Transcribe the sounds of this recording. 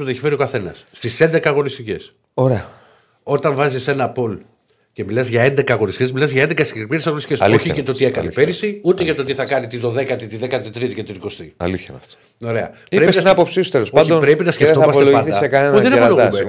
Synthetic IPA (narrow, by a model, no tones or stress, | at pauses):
uðeçi̥fe̞ɾio̞kɐθe̞nɐsːt̪ise̞nd̪e̞kɐːɣo̞nist̪ice̞s | oɾeɐ | o̞t̪ɐɱvɐzise̞nɐpo̞l | ce̞milɐzʝɐe̞nd̪e̞kɐːɣo̞nist̪icʲezmilɐzʝɐend̪ekɐsɾmiɾesɐɣnist̪icesoçicet̪o̞t̪ie̞kɐnipe̞ɾisiut̪eʝɐt̪o̞t̪iθɐkɐnit̪iðo̞ðe̞kɐt̪it̪iðekɐt̪it̪ɾit̪icet̪iniko̞st̪iɐ̰liθçɐft̪o̥ | oɾe̞ɐ̰ | iɾeesinɐinɐpopsisu̥t̪elosɐd̪opɾepinɐskceft̪omɐseoɐnθisekɐnenðenɐpɐloɣume